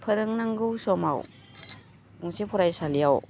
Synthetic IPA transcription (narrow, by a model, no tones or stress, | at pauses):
pʰɐɾɯŋnaŋɡɯwsɔma̰w | ɡuŋsipʰɔɾajsalijaw